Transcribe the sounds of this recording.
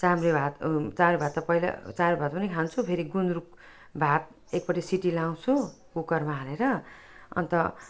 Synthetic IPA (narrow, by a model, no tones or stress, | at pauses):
t͡samrebʱat̪t͡samrebʱat̪ːʌpʌjla̰t͡samrebʱat̪̚pʌnikʰant͡sʰupʰeɾiɡunɾuk̚ | bʱat̪̚ | ek̚pʌʈisiʈilaw̃t͡sʰu | kukʌrmaɦaleɾʌ | ʌ̰nt̪ʌ